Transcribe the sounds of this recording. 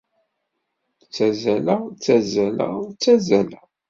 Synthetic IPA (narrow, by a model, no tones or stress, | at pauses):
t͡sːæzælæt͡sːæzælæ̰t͡sːæzælæ